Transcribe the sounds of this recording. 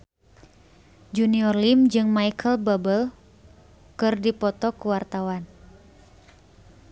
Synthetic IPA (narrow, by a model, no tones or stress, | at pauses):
d͡ʒuniɔrlimd͡ʒɨŋmajkʰəlbabəl | kɨrdipɔt̪ɔkuwart̪awan